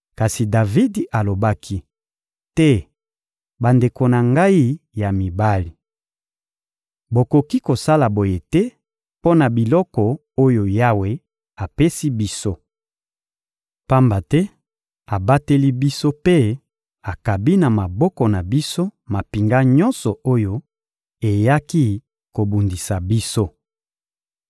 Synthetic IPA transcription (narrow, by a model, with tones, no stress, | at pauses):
ka˨si˨da˨vi˦da˨lo˨ba˦kʰi˦ | tɛ˦ | ba˨nde˨ko˨na˨ŋɡa˦i˦ja˨mi˨ba˦li˨ | bo˨ko˨ki˦ko˨sa˦la˨bo˨je˨tɛ˦ | po˦na˨bi˨lɔ˦kɔ˨ | o˦jo˨ja˦we˨ | a˨pe˦si˦bi˦so˦ | pa˦mba˨tɛ˦ | a˨ba˦te˦li˦bi˦so˦pe˦ | a˨ka˨bi˦na˨ma˨bɔ˦kɔ˨na˨bi˦so˦ma˨pi˨ŋɡa˦ɲɔ˦nsɔ˨o˦jo˦ | e˨ja˦ki˦ | ko˨bu˨ndi˨sa˨bi˦so˦